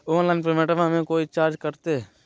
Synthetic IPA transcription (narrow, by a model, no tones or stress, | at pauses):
õːnlaːɪnp̬ɾəɾmeːʈəʋãːmẽːkoːiːt͡ʃaːɾd͡ʒkəɾt̪e